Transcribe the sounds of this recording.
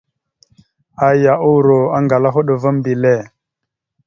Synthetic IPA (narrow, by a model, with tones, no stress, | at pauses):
a˨ja˨ʔu˦wɾo˨a˦ŋɡa˨la˦ɦu˦ɗu˨va˦m˦bi˨le˦˨